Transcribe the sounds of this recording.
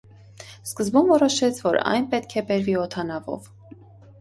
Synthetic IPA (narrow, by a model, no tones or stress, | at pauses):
skəzbumvɔɾɔʃɛt͡sʰvɔɾɑ̰jnpɛt̪kʰɛbɛɾviɔt̪ʰɑnɑvɔ̰v